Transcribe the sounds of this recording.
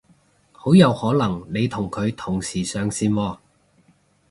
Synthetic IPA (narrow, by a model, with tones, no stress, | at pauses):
ho˨˥wjɐ˨˧whɔː˨˥lɐ˨˩ŋne˨˧jt̪ʰʊ˨˩ŋkʰɵ˨˧ɥt̪ʰʊ˨˩ŋsiː˨˩sœː˨˧ŋsiː˧nwɔː˧